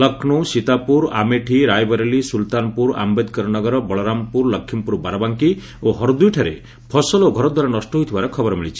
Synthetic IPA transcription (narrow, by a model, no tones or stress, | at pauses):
lɔkʰnusit̪apuɾa̰meʈʰiɾajbɔɾelisult̪anɔpuɾa̰mbed̪kɔɾɔnɔɡɔɾɔbɔɭɔɾampuɾləkʰːimpuɾubaɾɔbaŋki | oɦɔɾd̪ujʈʰaɾḛ | pʰɔsɔloɡʱɔɾɔd̪waɾanɔsʈɔɦojt̪ʰibaɾɔkʰɔbɔɾɔmiɭit͡ʃʰi̥